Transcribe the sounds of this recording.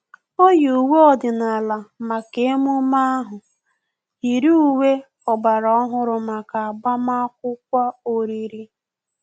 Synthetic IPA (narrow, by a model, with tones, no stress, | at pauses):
o˦ju˨we˦ɔ˨dɪ˨na˨la˨ma˨ke˨e˦mu˦ma˦a˦ɦʊ˨ | i˨ɾu˦u˦˨we˦ | ɔ˨ɡ͡ba˨ɾɔ˦ɔ˦ɦʊ˦ɾʊ˨ma˨ka˨a˨ɡ͡ba˦ma˦kʷʊ˦k̚ʷa˦o˨ɾi˨ɾi˦